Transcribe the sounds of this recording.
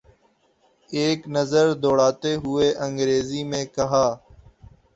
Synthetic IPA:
eːknəzəɾd̪oːɽaːt̪eːɦʊeːʔə̃ŋɡɾeːziːmẽːkəɦaː

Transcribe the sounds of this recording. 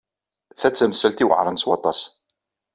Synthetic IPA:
θæt͡sːæməsælt̪iwə̰ʕɾˤənswɑ̰t̪ˤɑs

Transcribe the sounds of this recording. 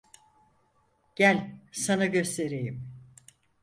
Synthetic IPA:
ɟ̥ælʲsanaɟø̞st̪ʰe̞ɾejim

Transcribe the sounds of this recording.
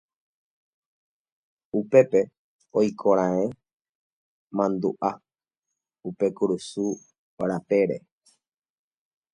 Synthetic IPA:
upe̞pe̞ | ojkʰoɾ̃ãẽ | mãnd̪uʔa | upe̞kuɾusu | ɾape̞ɾḛ

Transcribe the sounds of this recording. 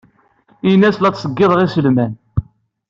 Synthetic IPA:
inːæslæt͡sːsˤəɡːɪðˤʁisəlmæn

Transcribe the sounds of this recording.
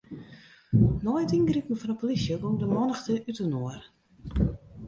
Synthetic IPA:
nɔjtinɡrikən̩fɔnəpolisjəɡoŋdəmɔnəxtəʔytənoər

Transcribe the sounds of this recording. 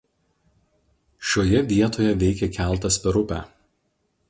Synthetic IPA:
ʃʲoːjɛʋʲiɛt̪oːjɛʋʲɛɪkʲɛkʲæˑlˠˑt̪ɐsʲpʲɛɾʊpʲæ̰ː

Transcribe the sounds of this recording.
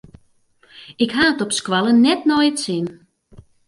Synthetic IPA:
ɪkɦaːətɔpskwalˠənnɛtnɔjətsɪn

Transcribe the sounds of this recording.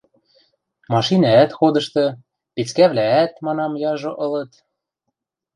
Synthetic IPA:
mɑʃinɑæt̪xod̪ɤ̆ʃt̪ɤ̆ | pit͡skæβlææt̪mɑnɑmjɑʒŏʔɤ̆lɤ̆t̪

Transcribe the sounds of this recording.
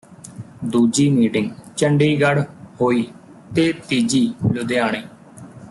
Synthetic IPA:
d̪uːd͡ʒiːmiːʈɪ̃ŋɡt͡ʃəɳɖiːɡəɽhoːiː | t̪eːt̪iːd͡ʒiːlʊd̪eːaːɳ̃eː

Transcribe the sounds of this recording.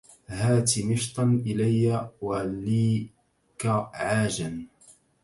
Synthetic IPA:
ɦaːt̪imɪʃt̪ˤɑnʔɪlajːawaliː | kaʕaːʒan

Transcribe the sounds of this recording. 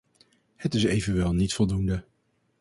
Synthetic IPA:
hətɪsejvənʋɛlˠnitfɔlˠdundə

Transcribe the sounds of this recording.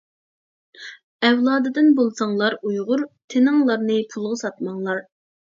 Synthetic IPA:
ɛwlˠɑːd̪ɨd̪ɨnbolˠsɑŋlˠɑɾujʁʊɾt̪ʰɪnɪŋlˠɑɾnɨpʰulˠʁɑsɑt̪̚mɑŋlˠɑɾ

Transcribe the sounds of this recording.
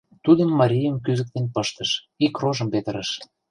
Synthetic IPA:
t̪ud̪əmːɑɾʲijəmkyzə̆k̚t̪enpɤʃt̪ə̆ʃ | ikroʒə̆mpet̪əɾəʃ

